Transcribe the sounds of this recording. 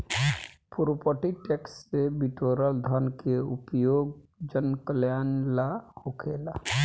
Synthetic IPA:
puɾpəʈiʈeksːebiʈoɾəld̪ʱənkeupjoːɡd͡ʒənkəljanlahokʰeːla

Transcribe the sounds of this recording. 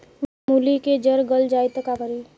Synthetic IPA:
muliked͡ʒəɾɡəld͡ʒajt̪əkapəɾi

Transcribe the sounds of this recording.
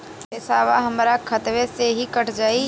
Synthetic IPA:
ɪsaːʋaɦɐmɾakʰɐt̪ʋeseɦikəʈʰd͡ʒaːi

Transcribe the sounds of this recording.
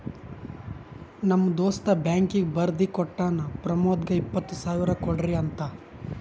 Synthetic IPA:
nɐmːɐd̪oːst̪ɐbjaːŋkiɡbɐɾd̪ikɔʈːaːnɐpɾɐmoːd̪ɡɐipːɐt̪ːusaːʋiɾɐkɔɽɾiɐnt̪ɐ

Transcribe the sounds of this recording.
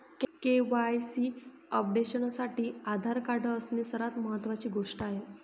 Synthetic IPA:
kkeʋajsiː | əp̚ɖeɕənsaʈiːad̪ʱaɾkaɖəːsnesəɾat̪məɦət̪ːʋat͡ɕiːɡʱoʂʈaaɦe

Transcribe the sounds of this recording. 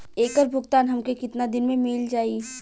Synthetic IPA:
eːkəɾbʱʊɡt̪aːnɦɐmkekɪt̪nad̪ɪnmẽmɪld͡ʒaːi

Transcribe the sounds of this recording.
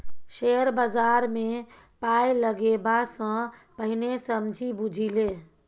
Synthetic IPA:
ʃeɾbazaɾme | pajləɡebasə̃pəɦinesəmd͡ʒʱibud͡ʒʱile

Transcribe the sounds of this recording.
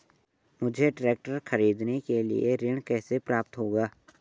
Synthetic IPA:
mʊd͡ʒʱeɖɾeːk̚ʈəɾxɐɾiːd̪nekelḭeɾɪɽ̃kɛːsepɾaːp̚t̪ɦoːɡaː

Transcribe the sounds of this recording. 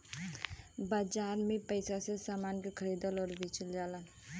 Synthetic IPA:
baːd͡ʒaːɾmẽpəɪsasesaːmaːnkikʰəɾiːd̪əlɔːɾbʱiːt͡ʃəld͡ʒaːlan

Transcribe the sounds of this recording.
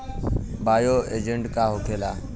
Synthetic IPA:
baːjoːḛːd͡ʒə̃ɳʈkaːɦokʰeːlaː

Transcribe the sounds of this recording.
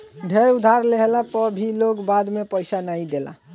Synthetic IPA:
ɖʱeɾud̪ʱaɾleɦelapəbʱilokbad̪mepəjsanaĩd̪ela̰

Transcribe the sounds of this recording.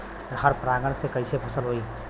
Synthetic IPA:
ɾɦəɾpɾaɡəɽsekəjsepʰəsəlɦoj

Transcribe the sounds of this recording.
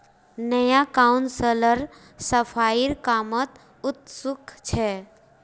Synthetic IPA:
nəjakaunsələɾ | səpʰaiɾkamət̪ | ut̪sukʰt͡ʃʰɛ

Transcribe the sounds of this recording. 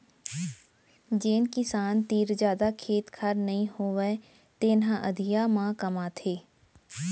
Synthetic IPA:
d͡ʒeːnkɪsaːnt̪iːɾd͡ʒjaːd̪akʰeːt̪kʰəɾnɐɦĩhoːʋe | t̪eːnɦãʔəd̪ʱijamãkɐmaːt̪ʰeː

